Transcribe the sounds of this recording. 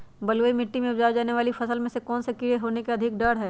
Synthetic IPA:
bɐləimɪʈːimẽʊd͡ʒaːd͡ʒaːneʋaːlifɐsəlmẽsekɔːnsekɪɽeɦoːnekeɐd̪ʱɪk̚ɖɐɽɦɛː

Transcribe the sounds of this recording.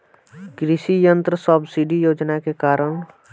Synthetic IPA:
kɾɪʃijənt̪ɾəsəbsiɖijoːd͡ʒnakekaːɾəɽ̃

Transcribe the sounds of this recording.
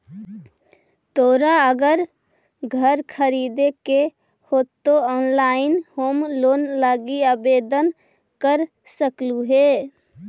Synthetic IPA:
t̪oɾaəɡəɾ | ɡʱəɾkʰəɾid̪eke | hot̪ːoɔːnlaɪnhoːmlonlaɡiabed̪ən | kəɾ | səkluɦe

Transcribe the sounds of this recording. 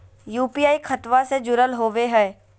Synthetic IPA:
juːpiːaːikʰɐt̪ʋased͡ʒʊɾəlɦoːʋeɦɛː

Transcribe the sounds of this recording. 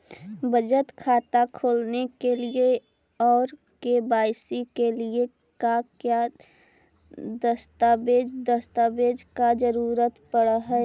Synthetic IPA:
bəd͡ʒət̪kʰaːt̪akʰoːlnekelie | ɔːɾ | kebaːjsikelie | kakja | d̪əst̪abed͡ʒd̪əst̪abed͡ʒkad͡ʒəɾuɾət̪pəɽəɦɛ

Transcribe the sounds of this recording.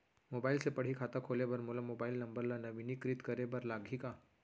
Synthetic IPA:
mobailsepəɽ̤ikʰat̪akʰolebəɾmulamobailnəmbəɾlanəʋinikɾit̪kəɾebəɾlaɡʱika

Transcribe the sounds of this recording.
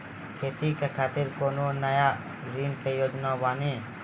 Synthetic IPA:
kʰeːt̪ikekʰaːt̪ɪɾkoːnoːnəjaː | ɾiːnkejoːd͡ʒnaːʋaːneː

